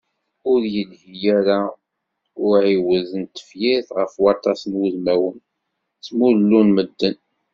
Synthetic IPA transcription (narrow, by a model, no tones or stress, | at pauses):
ʊɾjəlhijæɾa | ʊʕiwəðənt̪ːə̥fjiθʁəfwɑɾt̪ˤɑsənwuzmæwən | t͡sːmuɾlːunməd̪ːən